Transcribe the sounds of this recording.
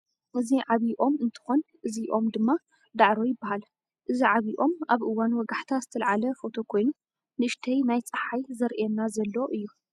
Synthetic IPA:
ʔɨziʕaβiʔo̞mɨnt̪ʰɨ̥xonʔɨziʔo̞md̪ɨmːa | d̪aʕɾojɪbːahal | ʔɨziʕaβiʔo̞maβʔɨwːanwɔɡaħt̪ʰazɨt̪ʰɐlʕalɐfo̞t̪ʰo̞kʰo̞jnu | nɨɨʃt̪ʰɐjnajt͡sʼɨħajzɐɾʔɛnːazɐlːoʔɨjːu

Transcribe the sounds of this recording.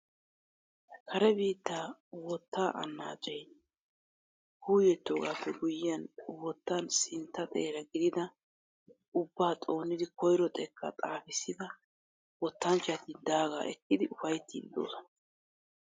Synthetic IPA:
kʰɐɾɛbiːt̪ːaːwɔt̪ːaːʔɐ̰nːa̰ːt͡ʃʼɛj | huːjɛt̪ːo̞ːɡaːpːɛɡʊjɪjɐnwɔt̪ːansɪnt̪ːɐt̪ʼeːɾɐɡɪd̪ɪd̪ɐ | ʊbːaːt̪ʼo̞ːnːɪd̪ɪkɔjɾɔt̪ʼɛkːɐ̰t̪ʼaːfɪsːɪd̪ɐ | wɔt̪ːɐnt͡ʃat̪ind̪aːɡa̰ːʔɛkːɪd̪ɪʊfɐjt̪ːḭːnd̪o̰ːsɔ̥n

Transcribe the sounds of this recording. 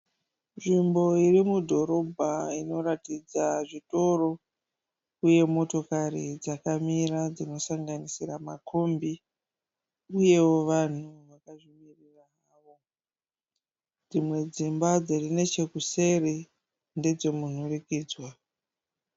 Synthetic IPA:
nʐimbo̞irimudʱo̞ɾo̞bʱaino̞ɾatid͡zaʐito̞ro̞ | uje̞mo̞to̞karḭd͡zakamiɾad͡zino̞saŋɡanisiramakʰombi | uje̞wo̞ʋan̤uʋakaʐimirira | aʋo̞ | d͡zimwe̞d͡zimbad͡zirine̞t͡ʃe̞kuse̞re | nde̞d͡zo̞mun̤urikiːd͡zwa

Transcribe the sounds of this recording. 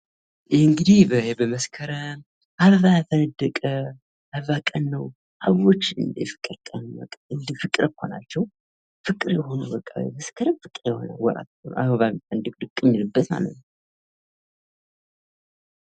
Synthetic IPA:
jɛhɨŋɡɨd̪ibəɛbəməskʰəɾə | ʔaββafənd̪əkʼə | aβakʼənːəw | ʔa̰βot͡ʃːɨnd̪fɨ̥kʼːɨɾkʼəna̰kʼɨnd̪ifɨkʼɾʔəkʰːona̰t͡ʃːɛw | fɨkʼɨɾjɛɦo̞nubəkʼːaβməskʰəɾəfɨkʼɾjɛhona̰lwɔ̰ɾa̰t̪onʔa̰ββaβfənd̪əkʼd̪ɨkʼːɨmɪlɨbːət̪ma̰lə̰t̪ːw

